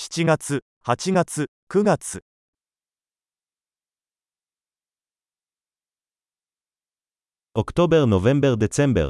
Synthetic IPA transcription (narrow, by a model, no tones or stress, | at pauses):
ɕi̥t͡ɕiɡat͡sɨ | hat͡ɕiɡat͡sɨ | kɯ̟ɡat͡sɨ | okɯ̟̥t̪o̞beɾɯnoβẽ̞mbeɾɯd̪e̞t͡sẽmbḛɾ